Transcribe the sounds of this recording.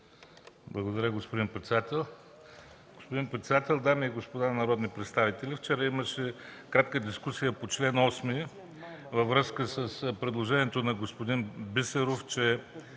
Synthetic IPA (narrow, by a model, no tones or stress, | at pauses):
blˠɐɡod̪ɐɾʲəɡospod̪inpɾɛt̪sɛd̪at̪ɛlˠ | ɡ̥ospod̪inpɾɛt̪sɛd̪at̪ɛlˠd̪amiːɡospod̪anɐɾɔd̪nipɾɛt̪st̪avit̪ɛlift͡ʃɛɾəiməʃɛkɾat̪kəd̪iskusijəpot͡ʃlɛnɔsmi | vɐvɾɤskəsəspɾɛd̪lˠoʒɛniɛt̪onɐɡospod̪inbisɛɾoft͡ʃɛ